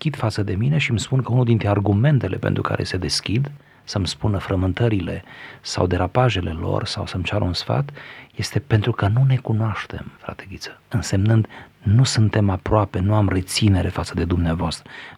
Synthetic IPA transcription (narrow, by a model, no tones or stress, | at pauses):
kʲid̪fat̪səd̪e̞mine̞ʃimspunkəunuld̪int̪ɾearɡume̞nt̪e̞lʔe̞̰pe̞̰nt̪ɾuka̰ɾʔe̞̰se̞d̪e̞skʲid̪ | səmspunəfɾəmɨnt̪əɾile̞̰sa̰wd̪e̞ɾapaʒe̞le̞lo̞̰rsa̰wsəmt͡ʃaɾəunsfa̰t̪je̞st̪e̞pe̞nt̪ɾukənune̞kunoaʃt̪e̞̰mfɾa̰t̪e̞ɡʲit̪sə̥ɨnse̞mnɨnd̪nusɨnt̪e̞mapɾoape̞nuamre̞t̪sine̞ɾe̞fat̪səd̪e̞d̪umneavoast̪ɾə